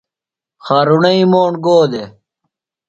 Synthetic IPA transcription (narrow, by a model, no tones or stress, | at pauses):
xaːɾuɳɐĩːmoːɳɡoːd̪e